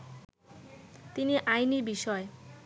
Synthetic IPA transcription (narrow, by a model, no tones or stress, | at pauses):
t̪iniʔajniɾbiʃɔe